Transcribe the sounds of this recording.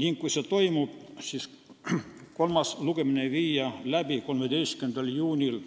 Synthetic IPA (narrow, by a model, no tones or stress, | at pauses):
nʲiŋkuiset̪oimupsis | kolmɑsluɡ̥emineʋiːjɑlæb̥ikolmed̪eiskynd̪̥eljuːnʲil